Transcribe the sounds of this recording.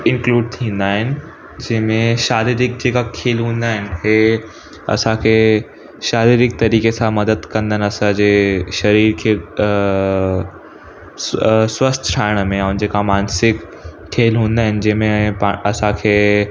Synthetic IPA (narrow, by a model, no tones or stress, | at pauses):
ɪ̃nkluːɖ̚t̪ʰĩːn̆d̪aːɦɪnɪ̆ | d͡ʑɐ̃ɦɪ̃mẽʃaːɾiɾɪk̚d͡ʑeːkakʰeːlɦũːn̆d̪aːɦɪnɪ̆ɦe | ɐ̰sãkʰeː | ʃaːɾiɾɪk̚t̪ɐɾiːkesãmɐd̪əd̪kɐ̃nd̪ənɪ̆ɐsãd͡ʑeːʃɐɾiːɾkʰeː | swɐst̪ʰʈʰaːɪɽ̃əmẽɐ̃nd͡ʑeːkamaːnsɪkʰː | eːlɦũːnd̪aːɦɪnɪ̆d͡ʑɐ̃ɦɪ̃mẽpaɐsãkʰeː